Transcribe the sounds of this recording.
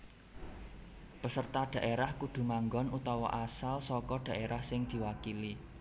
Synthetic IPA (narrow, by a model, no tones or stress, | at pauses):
pəsərt̪ad̪̥ä̤ʔeɾahkud̪̥ṳmaŋɡɔnut̪awɔ̰ʔasalsɔkɔɖ̪̥ä̤ʔeɾahsɪŋd̪̥i̤wakili